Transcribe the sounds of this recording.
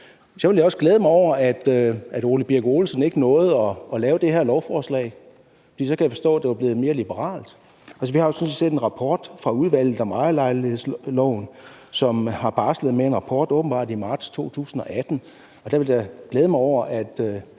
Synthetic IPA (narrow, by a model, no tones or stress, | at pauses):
sɒ̽ʋe̝ljaɒ̽sɡ̥leːð̞ˠmɑ̈ɪɒʊ̰ɐæd̥øæd̥o̝lib̥iɐɡ̥o̝ːlsən̩e̝ɡ̥ənɔ̽ːð̞̩ˠɒ̽ɒ̽lɛːʊd̥e̝heɐ̰lɒʊfɒːslɛ̰ːɪ̰ | fɒd̥ḭːsɒ̽kʰæjafɒ̽sd̥ɔ̰̽ːæd̥e̝ʋɑ̈b̥le̝ːð̞̩ˠme̝ːɐlib̥əʁɑ̰̈ːld̥ | ʔæls̬əʋihɑ̈jo̝sɒ̽nsi̥sḛːd̥e̝nʁɑ̈pʰɒːd̥fʁɑ̈uðˠʋæl̰ð̩ˠɒmɑ̈ɪlɑ̈ɪlie̝ðˠslɒʊn | sɒ̽mhɑ̈b̥ɑ̈sleð̩ˠmee̝nʁɑ̈pʰɒːd̥ɔ̽ːb̥m̩b̥ɑ̈d̥imɑ̈ːd̥st͡sʰo̝̰ːt͡sʰṵːsn̩ɒ̽ʔæd̥n̩ | ɒ̽d̥æʋe̝ljɑɡ̥leːð̞ˠəmɑɪɒʊ̰ɐʔæd̥ø